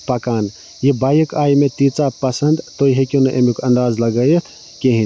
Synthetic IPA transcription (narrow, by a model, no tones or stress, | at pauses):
pɐkaːn | jibajəkaːjmet̪it͡sapɐsənd̪t̪ojɦekonɐʔemikɐnd̪aːzlɐɡəjet̪ʰ | keɦin